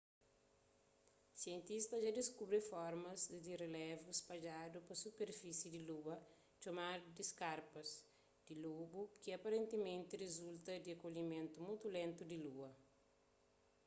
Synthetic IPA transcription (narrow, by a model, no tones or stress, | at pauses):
sjẽnt̪ist̪ɐʒad̪iskubɾifɔɾmɐzd̪irelɛvuspɐd͡ʒad̪upɐsupeɾfisjid̪iluɐ | t͡ʃomaɾd̪iskaɾpɐs | d̪̥ilobukiɐpɐɾẽnt̪emẽnt̪irezult̪ɐd̪iakoʎimẽnt̪umujt̪ulẽnt̪ud̪iluɐ